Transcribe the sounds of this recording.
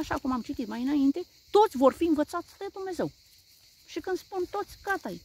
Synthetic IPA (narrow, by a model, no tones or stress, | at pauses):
aʃakumamt͡ʃit̪it̪majɨnaint̪e̞ | t̪o̞t̪sʲvo̞rfiɨnvət̪sat̪sʲd̪e̞d̪umne̞ze̞w | ʃikɨnspunt̪o̞t̪sʲkat̪aj